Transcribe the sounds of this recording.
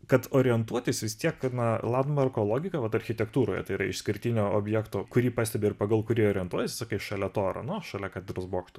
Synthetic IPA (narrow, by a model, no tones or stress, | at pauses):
kɐt̪oːɾʲɪjɛnt̪uɔt̪ʲɪsʋʲɪst̪ʲiɛknɐlˠɑnd̪mɐrkoːlˠoːɡʲɪkɐʋɐt̪ɐɾʲxʲɪt̪ʲɛkt̪uːɾoːjɛ̰t̪ɐɪiɾɐɪ̰ʃsʲkʲɪɾʲt̪ʲiːnʲoːoːbʲjɛːkt̪oːkʊɾʲiːpɑːsʲt̪ʲɛbʲeɪrpɐɡɐlˠkʊɾʲiːoːɾʲɪjɛnt̪uɔt̪ʲɪsʲɪsɑːkɐɪʃɐlʲɛt̪oːɾɐ̰nʊʃɐlʲɛkɑːt̪ʲɛd̪roːsboːkt̪ʊ